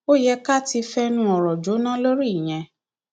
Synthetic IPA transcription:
o˦jɛ˧ka˦˨ti˧fɛ˦nũ˦ɔ˨ɾɔ˨d͡ʒo˨˦nã˦lo˦ɾi˦i˨j̃ɛ̃˧

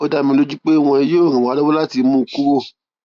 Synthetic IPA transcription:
o˦˧da˧mĩ˧lo˦d͡ʒu˦k͡pe˦˧w̃ɔ̃˧i˧jo˦˨ɾ̃ĩ˨wɔ̃˨˦lɔ˦o˦la˦ti˧mũ˦˧ko˦

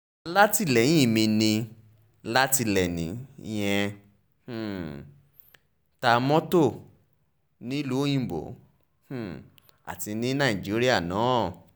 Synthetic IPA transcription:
la˦ti˦˨lɛ̃˨˦ĩ˦˨mĩ˧nĩ˧ | la˦ti˧lɛ˨nḭ̃˨˦˧j̃ɛ̃˧˨ | ta˧mɔ̃˦to˦˨ | nĩ˦lu˦j̃ĩ˦˨bo̰˨˦ | h̩˨ | a̰˨ti˧nĩ˦nã˦˨i˨d͡ʒi˨˦ɾi˦a˦˨nã˨˦˨

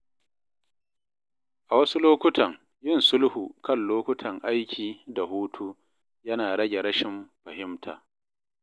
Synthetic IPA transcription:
ʔa˨wɐ˦su˦loː˦kʷʊ˦tʰɐ˨ŋ | jɪ˦˨nsʊ˦lhuː˨kɐ˦˨nloː˦kʷʊ˦tʰɐ˨ŋʔa˦jkʲʰiː˨da˨ɦuː˦tʰu˦ | jɐ˦naː˨ɽɐ˦ɡʲe˨ɾɐ˦ʃɪ˨mɸɐ˨hɪ˦mtʰa̰ː˨

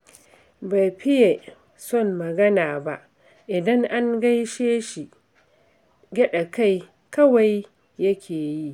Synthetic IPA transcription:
ba˨jɸɪ˦je˨ | sɔ˦˨mːɐ˨ɡɐ˦naː˨ba˦ʔ | ʔɪ˨dɐ˦ŋʔa˦ŋɡa˦jʃeː˦ʃi˨ | ɡʲɐ˦ɗa˨ka˦˨j | kɐ˦wa˨j | jɐ˦kʲʰeː˨ji˦ʔ

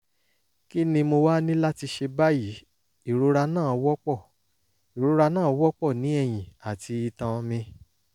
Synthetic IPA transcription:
ki˦nĩ˧mo˧wa˦nĩ˦la˦ti˧ʃe˧ba˦ji˨˦ | i˦˨ɾo˨˧˦ɾa˧nãː˦˨ɔ˧wɔ˦k͡pɔ˦˨ | i˨ɾo˨˧ɾa˧nãː˦˨ɔ˧wɔ˦k͡pɔ˦˨nĩ˨˦ɛ˦˨j̃ĩ˨a˨tʰi˧i˧tã˧mĩ˧

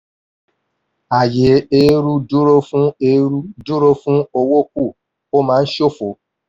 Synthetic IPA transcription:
a˨je˨˦e˨˦ɾu˦du˦ɾo˦fũ˦e˧ɾu˦du˦ɾo˦fũ˦o˧wo˦ku˦˨ | o˦mãː˨˦n̩˦ʃo˦fo˨˦

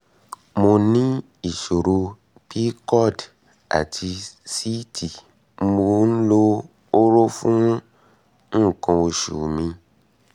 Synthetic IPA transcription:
mo˧nĩ˦ | i˨ʃo˨ɾo˧ | b̥i˦kɔ˦˨d | a̰˨tʰi˧si˦ti˨ | m̩˦mo˧n̩˦lo˦ | o˦ɾo˦fũ˦ɔ̃˦ | ñ̩˦˨kã˧o˧ʃṵ˨mĩ˧

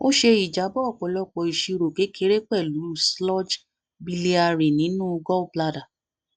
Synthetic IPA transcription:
o˦ʃe˧i˨d͡ʒa˨˦bɔ˦ɔ˦˨k͡pɔ˨lɔ˧k͡pɔ˨i˨ʃi˧ɾo˨ke˨˦kʰe˦ɾe˦k͡pɛ˦˨lu˨˦slɔ˦d͡ʒ | bi˧le˧˦a˧ɾe˨nĩ˨˦nũ˦˧ɡɔ˦˨bla˧da˨

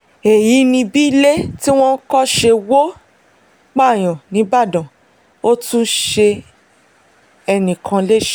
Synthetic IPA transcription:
e˨ji˨˦nĩ˧bi˦le˦ti˦w̃ɔ̃˦kɔ˦ʃe˧wo˦ | k͡pa˦˨j̃ɔ̃˨nĩ˨˦ba˦˨dã˨ | o˦tũ˦ʃe˧ | ɛ˧nĩ˨kʰã˧le˦ʃ

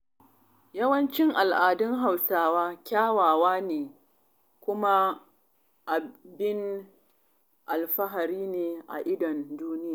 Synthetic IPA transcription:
jɐ˦wɐ˦nt͡ʃɪ˦ŋʔa˨lʔaː˨dɪ˦ŋɦa˨wsaː˦waː˦kʲaː˦waː˨waː˦neː˨ | kʷʊ˦ma˦ | ʔa˨bɪ˦n | ʔa˨lɸɐ˦ɦa˨ɾiː˦neː˨ʔa̰˨ʔɪ˦dɐ˨nduː˦nɪ˦jaː˨

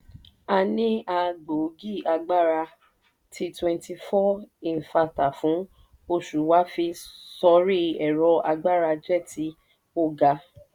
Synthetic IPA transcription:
a˧nĩ˦a˧ɡ͡bo˨˦ɡi˦˨a˧ɡ͡ba˦ɾa˧ | tʰi˧twɛ̃˧nti˧fɔ˦i˨fa˧ta˨fũ˨˦ | o˧ʃu˨wa˨˦fi˧sɔ˧˦ɾi˦ɛ˨ɾɔ˧a˧ɡ͡ba˦˨ɾa˧d͡ʒɛ˦˨ti˨˦ | o˦˨ɡa˧

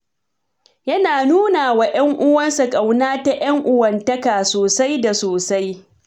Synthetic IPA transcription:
jɐ˦naː˨nuː˦naː˨wa˨j̰ɐ˦ŋʔʊ˦wɐ˦nsa˨kʼa˨wnaː˦ta˦˨j̰ɐ˦ŋʔʊ˨wɐ˨ntɐ˦kaː˨soː˨sa˦jda˨soː˨sa˦j

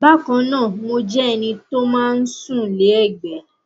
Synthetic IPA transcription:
ba˦˨kã˧nãː˦˨mo˧d͡ʒɛ˦˧˨nĩ˧to˦mãː˦n̩˦sũ˦˨le˨˦ɛ˦˨ɡ͡bɛ˨˦

